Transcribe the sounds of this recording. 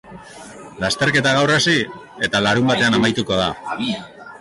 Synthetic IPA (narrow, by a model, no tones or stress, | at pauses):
last̪e̞ɾke̞t̪aɣ̞awrasi | e̞t̪alaɾumbat̪e̞anamajt̪uko̞ð̞a